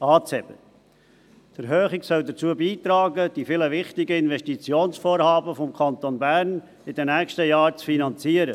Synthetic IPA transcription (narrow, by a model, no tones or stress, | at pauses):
ɑːt͡sɛb̥ə | d̥əɾɦøːχɪɡsœldət͡suəbiːt̪ɾɑːɡəd̥ifɪləʋɪχtɪɡəɪnvɛʃtit͡sjoːnsfoːɾhɑːbəfɔmkʰɑnt̪onbæɾn | ɪdɛnɛːkʃtəjɑːɾt͡sfinɑnt͡siːəɾə